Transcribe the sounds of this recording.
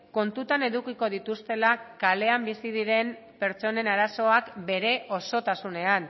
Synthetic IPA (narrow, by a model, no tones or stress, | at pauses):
ko̞nt̪ut̪ane̞ðukiko̞ðit̪ust̪e̞lakale̞ambisiðiɾe̞m | pe̞ɾt͡ʃo̞ne̞naɾaso̞akbe̞ɾe̞ʔo̞so̞t̪asune̞an